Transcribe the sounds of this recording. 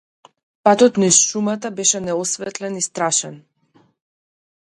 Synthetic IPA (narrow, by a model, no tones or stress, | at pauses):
pat̪ɔt̪nisʃumat̪abɛʃɛnɛɔsvɛt̪lɛnist̪ɾaʃɛn